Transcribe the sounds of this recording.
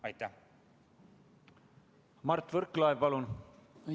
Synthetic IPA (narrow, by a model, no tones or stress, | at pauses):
ɑjt̪ːæ | mɑrt̪ːvɵɾkːlɑjvpɑlun